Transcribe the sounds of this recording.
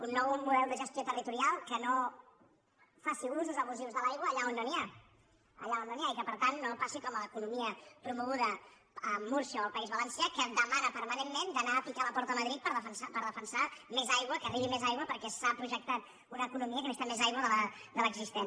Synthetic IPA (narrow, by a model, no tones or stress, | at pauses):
unːɔwmuðɛlˠd̪əʒəst̪jot̪ərit̪uɾialˠkəno | fasiunzðəzəβuziwzðəlajɣwəːʎaonːonia | ə̰ʎaonːoniaikəpəɾt̪anːopasikɔmələkunumiəpɾumuɣuðəː | muɾsiəoəlˠpəizβələnsjakəd̪əmanəpəɾmənemːend̪ənaːpikaləpɔɾt̪əməðɾit̪pəɾəfənsapəɾðəfənsamezajɣwəkəriβimezajɣwəpəɾkɛsapɾuʒək̚t̪at̪ | unəːkunumiəkənəst̪amezajɣwəðələd̪ələɡzist̪en